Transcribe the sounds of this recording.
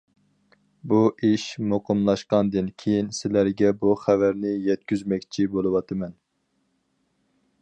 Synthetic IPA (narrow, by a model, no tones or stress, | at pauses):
buʔiʃmoqəmlˠɑʃqɑnd̪ɨnkʲʰejinsɪlæɾɡʲɛbuχævæɾnɪjɛt̪̚kʲyzmɛkʲt͡ʃʰibolˠɨwɑt̪ʰɨmɛn